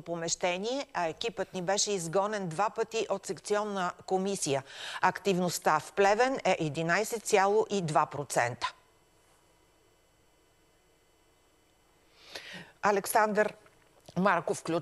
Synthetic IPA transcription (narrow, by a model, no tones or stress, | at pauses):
opomɛʃt̪ɛniɛɐɛk̟ipət̪nibɛʃɛizɡɔnɛnd̪vapət̪iʔot̪sɛkt̪siɔnːəkomisijəɐkt̪ivnost̪afplɛvɛnɛʔɛd̪inajsɛt̪sʲjalˠoʔid̪vapɾot̪sɛ̰nt̪ə̥ | ɐlɛksand̪ɾ | maɾkofklʲu